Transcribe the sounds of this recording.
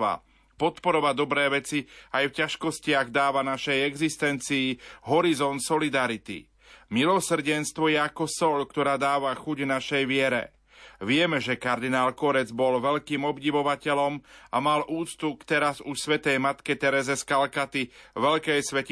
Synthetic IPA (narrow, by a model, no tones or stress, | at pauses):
a̰ | pɔt̪pɔɾɔʋad̪ɔbɾɛːʋɛt͡siajfcaʃkɔscɪaɣd̪aːʋanaʃɛjɛɡzist̪ɛnt͡siːɦɔɾizɔnt̪sɔlid̪aɾit̪ḭ | milɔsr̩ɟɛnst̪ʋɔjɛakɔsɔʎkt̪ɔɾaːd̪aːʋaxuɟvnaʃɛjʋɪɛɾɛ̰ | ʋɪɛmɛʒɛkaɾd̪inaːlkɔɾɛd͡zbɔlʋɛʎkiːmɔbɟiʋɔʋacɛlɔmamalʔuːt͡st̪ukt̪ɛɾazuʃsʋɛt̪ɛjmat̪kɛt̪ɛɾɛzɛskalkat̪iʋɛʎkɛjsʋɛc